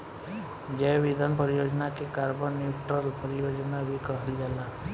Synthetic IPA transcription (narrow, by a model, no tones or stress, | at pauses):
d͡ʒebid̪ʱanpɔɾijod͡ʒɔnakekaɾbɔnjuʈɾɔlpɔɾijod͡ʒɔnabikɔɦliɡala